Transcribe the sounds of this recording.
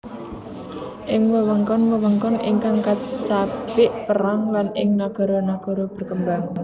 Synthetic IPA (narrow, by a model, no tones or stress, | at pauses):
ʔɪŋwəwəŋkɔnwəwəŋkɔnʔɪ̰ŋkaŋkat͡ʃapɪʔpəɾaŋlanɪŋnaɡ̥ɔ̤ɾɔnaɡ̥ɔ̤ɾɔb̥ə̤rkəmbaŋ